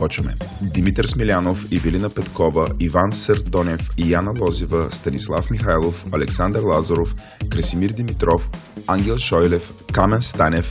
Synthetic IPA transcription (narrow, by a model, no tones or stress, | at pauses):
pɔt͡ʃvəmɛ̰d̪imit̪əɾsmilʲanofivilinəpɛt̪kɔvəivansəɾd̪ɔnʲɛfijanəlˠɔzivəst̪ɐnislˠafmixajlˠofɐlɛksand̪əɾlˠazəɾof | kɾəsimiɾd̪imit̪ɾɔfaŋɡʲɛlˠʃɔjlɛfkamɛnst̪anɛf